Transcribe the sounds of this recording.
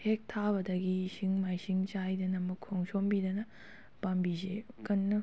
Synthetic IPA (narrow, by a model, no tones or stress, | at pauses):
hek̚tʰabɐdɐɡisiŋmajsiŋt͡ʃajdɐnɐmɐkʰːoŋsʰombidɐnɐ | pambizekɐnːɐ